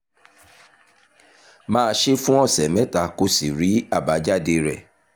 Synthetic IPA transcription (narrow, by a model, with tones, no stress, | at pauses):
mãː˦˧˦ʃe˦fũ˦ɔ˦˨sɛ˨mɛ̃˨˦ta˧ko˧si˨ɾi˨˦a˦˨ba˨˦d͡ʒa˦˨de˧ɾɛ˨